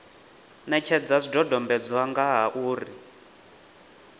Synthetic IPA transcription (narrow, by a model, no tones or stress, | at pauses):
nɛt͡ʃʰɛd͡zazdɔdɔmbɛd͡zwaŋɡaɦaʔuːri